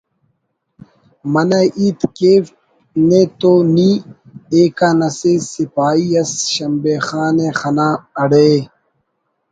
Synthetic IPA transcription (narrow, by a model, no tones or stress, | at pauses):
mɐnɐʔiːt̪keːf | net̪oːniː | eːkanɐsesipaːiɐsɕɐmbeːxaːneːxɐnaːɐɽeː